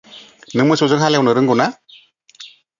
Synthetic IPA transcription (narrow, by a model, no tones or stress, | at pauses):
nɯŋmɯsozɯŋɦalɛwnɯɾɯŋɡuna